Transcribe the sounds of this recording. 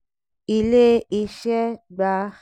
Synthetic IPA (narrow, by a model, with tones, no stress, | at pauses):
i˧le˦ʔi˧ʃɛ˦ɡ͡ba˨˦